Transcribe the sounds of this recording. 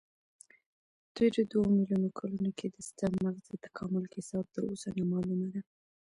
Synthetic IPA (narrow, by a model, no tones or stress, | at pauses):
d̪eɾod̪wamiljunokʰɑlunokʰed̪əst̪əmaɣzət̪ḁkʰɑmʊlkɪsɑb̚t̪əɾosanɑmɑlumad̪a